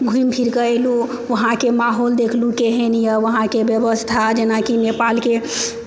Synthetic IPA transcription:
ɡʱuimpʰiɾkəelu | ʋəɦãkemaɦold̪ekʰlukeɦenijəʋəɦãkebjəbəst̪ʰad͡ʒenakinepalke

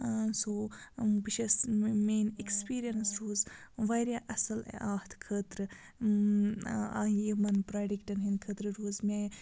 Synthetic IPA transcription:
asoːbiʃɐsmeːnekspiːɾijɐnsɾuːzʋaːɾjaːʔɐsɐl̰aːht̪ʰkʰəːt̪ɾɨ | aːjimɐnpɾaːɖikʈɐnɦinkʰət̪ɾɨɾuːzmʲaː

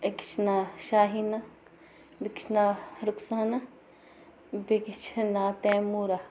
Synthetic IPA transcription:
ɐkt͡ʃʰnaːʃaːɦina | bikt͡ʃʰnaɾʊksaːna | bekt͡ʃʰnaːt̪eːmuːɾa

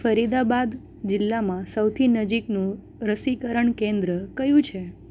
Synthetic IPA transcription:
fəɾid̪abad̪ | d͡ʒɪlːamãsəwt̪ʰinəd͡ʒiknũ | ɾəsikəɾəɳkẽnd̪ɾəkəjũt͡ʃʰe

